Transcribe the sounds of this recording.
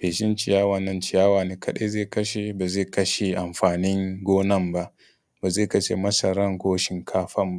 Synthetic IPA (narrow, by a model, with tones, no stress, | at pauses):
beː˨ʃɪ˦nt͡ʃɪ˨jaː˦waː˨nːɐ˦nt͡ʃɪ˨jaː˦waː˨neː˨kʰɐ˦ɗe˦zeː˦˨kɐ˦ʃe˨baː˨zeː˦˨kɐ˦ʃe˨ʔa˨mɸaː˨nɪ˦ŋɡʷoː˦nɐ˦˨mba˦ʔ | baː˨zeː˦˨kɐ˦t͡ʃḛ˦˨mɐ˦sɐ˨ɾɐ˦ŋkʷoː˦ʃɪ˦ŋkʰaː˦ɸɐ˦mba˦